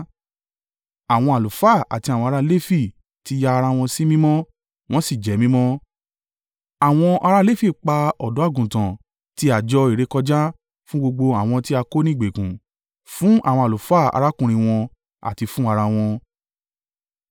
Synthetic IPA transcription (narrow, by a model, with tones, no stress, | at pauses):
a˨w̃ɔ̃˧a˨lu˨fa˦˨a̰˨ti˧a˨wɔ̃˧a˧a˧le˦fi˦˨ | ti˧˦jaː˧ɾa˧w̃ɔ̃˧si˦mĩ˦mɔ̃˦ | w̃ɔ̃˦si˦˨d͡ʒɛ˨˦mĩ˦mɔ̃˦ | a˨w̃ɔ̃˧ʔa˧ɾa˦le˦fi˦˨k͡pa˧ɔ˨dɔ˨˦a˦˨ɡũ˨tã˨ | ti˧˦a˨d͡ʒɔ˧i˨ɾe˨˦kɔ˧d͡ʒa˦ | fũ˦ɡ͡bo˧ɡ͡bo˧a˨w̃ɔ̃˧ti˦a˧ko˦nĩ˦˨ɡ͡be˨kũ˨ | fũ˦ʔa̰˦˨w̃ɔ̃˧a˨lu˨fa˦˨a̰˧ɾa˦kũ˧ɾ̃ĩ˧w̃ɔ̃˧ | a̰˨ti˧fũ˦a˧ɾa˧w̃ɔ̃˧